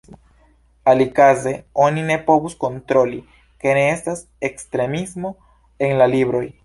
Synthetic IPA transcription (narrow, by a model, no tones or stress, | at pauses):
alikaze̞o̞nine̞po̞vusko̞nt̪ɾo̞li | ke̞ne̞estas | ekst̪ɾe̞mismo̞ | enlalibɾo̞j